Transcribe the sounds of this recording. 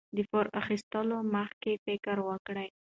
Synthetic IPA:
d̪əfoɾaxist̪əloməxkefɪkəɾwəkɽəj

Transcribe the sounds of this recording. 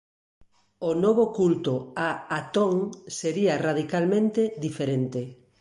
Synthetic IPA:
onoβ̞okult̪oaat̪oŋseɾiarað̞ikalmẽnt̪ed̪ifeɾent̪e

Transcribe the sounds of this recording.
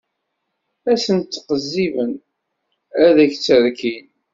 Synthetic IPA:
æsənt̪ːqəzːivən | æðæçt͡sːəɾkin

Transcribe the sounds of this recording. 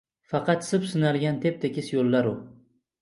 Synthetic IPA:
fɑqɑt̪sɪpsɪnalɡʲant̪ʰe̞p̚t̪ʰekʲɪsjolːaɾʊ

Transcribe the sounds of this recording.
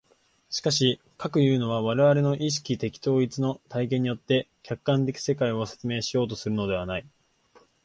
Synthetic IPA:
ɕi̥kaɕi | kakɯ̟jɯ̟ːno̞β̞aβ̞aɾe̞βaɾeno̞ʔiɕ̬i̥kʲit̪e̞kʲi̥t̪o̞ːit͡sɨno̞t̪aikẽ̞ɲ̟ːijo̞t̪ːe̞kʲakːãnt̪e̞kʲi̥se̞kaio̞se̞̥t͡sɨme̞ːɕijo̞ːt̪̬o̞sɨɾɯ̟no̞d̪e̞β̞anai

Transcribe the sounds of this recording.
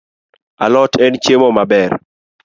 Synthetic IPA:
a̰lɔtʰɛnt͡ʃemɔmabɛr

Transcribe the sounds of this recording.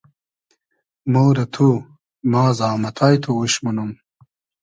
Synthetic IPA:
moːɾɐt̪ʰu | mɑːzɑːmɐt̪ʰajt̪ʰouɕmɐnum

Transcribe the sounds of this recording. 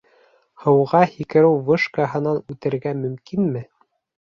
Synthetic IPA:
hɤ̆wʁɑhikɘ̆ɾɘwvɤʃkɑɦɤ̆nɑnʉt̪ɘ̆ɾɡæmɵ̆mkinmɘ

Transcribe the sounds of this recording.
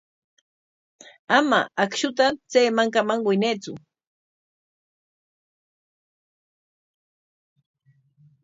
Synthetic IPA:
amaakʃʊt̪at͡seːmaŋkamaŋwɪjnet͡sʊ

